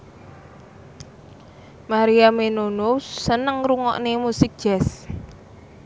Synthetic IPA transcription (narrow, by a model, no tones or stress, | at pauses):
maɾiamenonosənəŋɾuŋɔ̰ʔnemusɪk̚ʒ̥ɛs